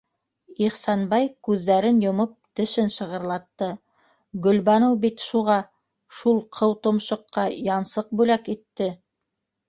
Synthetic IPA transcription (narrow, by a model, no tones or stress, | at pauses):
iχsɑnbɑjkʉðːæɾɘnjŏmop̚t̪ɘ̆ʃɘnʃɤ̆ʁɤ̆ɾlˠɑt̪ːɤ | ɡɵ̆lβɑnɤwbit̪ʃuʁɑ | ʃulˠqʰɤwt̪ŏmʃŏqːɑjɑnsɤq̚bʉlækit̪ːɘ